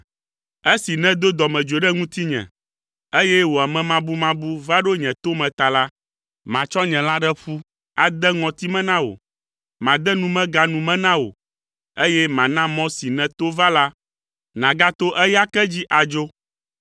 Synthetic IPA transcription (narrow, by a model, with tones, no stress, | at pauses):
e˦si˨nɛ̃˦d̪o˦d̪ɔ˨mɛ̃˨d͡ʒo˨ɖɛ˦ŋũ˦t̪i˦ɲɛ̰̃˨ | e˦jɛ˦wo˨a˨mɛ̃˨mã˨bu˦mã˦bu˦va˦ɖo˦ɲɛ̃˨t̪o˦mɛ̃˨t̪a˨la˦ | mã˨t͡ʃɔ˦ɲɛ̃˨la˦ɖɛ˦ɸu˦ | a˨d̪ɛ˦ŋɔ̃˨t̪i˦mɛ̃˦nã˦wo̰˨ | mã˨d̪ɛ˦nũ˦mɛ̃˦ɡa˨nũ˨mɛ̃˦nã˦wo̰˨ | e˦jɛ˦mã˨nã˦mɔ̃˦si˨nɛ̃˨t̪o˦va˦la˦ | nã˨ɡa˦t̪o˦ʔɛ˦ja˦kɛ˦d͡ʑi˦ʔa˨d͡ʒo˦